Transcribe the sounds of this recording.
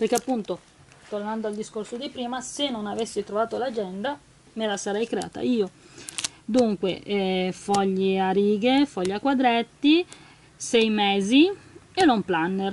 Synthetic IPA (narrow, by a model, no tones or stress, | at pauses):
perk̟eapːunt̪o | t̪ornand̪oald̪iskorsod̪ipɾiːmasenːonavesːit̪ɾovaːt̪olad͡ʒɛnd̪a | melasaɾɛjkɾea̰ːt̪a̰iːo | d̪uŋkwefɔʎːeaɾiːɡefɔʎːakwad̪ɾet̪ːi | sɛjmeːzienomplanːer